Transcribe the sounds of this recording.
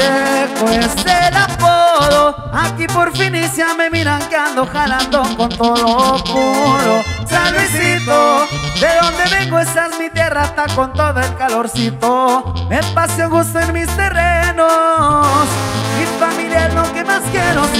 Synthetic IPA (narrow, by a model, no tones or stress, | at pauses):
ekweselapoðo | akipo̞ɾfinisjame̞miɾaŋkeand̪oxaland̪oŋko̞nt̪olopuɾosalβisit̪od̪eðo̞nd̪e̞βe̞ŋɡoest̪azmit̪je̞rast̪ako̞nt̪o̞ðoelkalo̞ɾsit̪ome̞pasjoŋɡust̪oenmist̪e̞reno | smifamiljaɾnoke̞maskjenos